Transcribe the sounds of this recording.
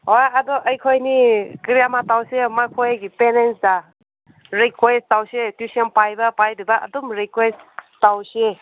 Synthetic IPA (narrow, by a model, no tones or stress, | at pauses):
ɦojadɔʔəjkʰojnikɾijamatawsemakʰojɡipenensda | ɾikʰwestawsetjusiɔnpajbɐpajdibaʔɐ̰dumɾikwestawse